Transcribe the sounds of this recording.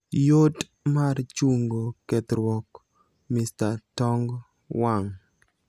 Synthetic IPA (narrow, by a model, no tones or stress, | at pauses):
jot | mart͡ʃuŋɡokɛt̪ɾwɔk | mɪstatɔŋɡ | waŋ